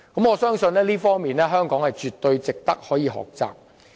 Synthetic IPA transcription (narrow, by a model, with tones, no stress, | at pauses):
kɐ˨˥mɔː˨˧sœː˥ŋsɵ˧nlɛː˥liː˥fɔː˥ŋmiː˨˩nɛː˥ɦœː˥ŋkɔː˨˥ŋhɐ˨jt͡ʃyː˨t̪ːɵ˧ɥt͡sɪ˨k̚t̪ɐ˥k̚hɔː˨˥jiː˨˧ɦɔ̰ː˨k̚t͡sa̰ː˨p̚